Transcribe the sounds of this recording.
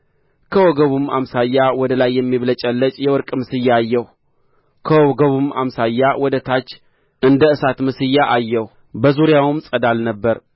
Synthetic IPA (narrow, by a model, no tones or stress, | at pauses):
kʰəwɔɡəβumamsajːawɔd̪əlajːɛmːiβlət͡ʃʼɛlːət͡ʃʼjɛwɔɾkʼmɨsɨjːaːjːɛh | kʰəwɔɡəβumamsajːawʔɔd̪ət̪ʰat͡ʃː | ʔɨnd̪əɨsat̪mɨsɨjːaʔajːɛh | bəzuɾjawɨmsʼəd̪alnəbːəɾ